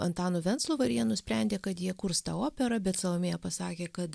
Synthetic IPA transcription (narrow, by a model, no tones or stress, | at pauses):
ɐnt̪ɑːnʊʋʲɛnt̪slˠuːʋɐɾʲiɛnʊsʲpʲɾʲænʲd̪ʲeːkɐt̪jiɛkʊɾst̪ɑːoːpʲɛɾɐbʲɛt̪sɐlˠɐmʲeːjɛpɐsɑːkʲeːkɐt̪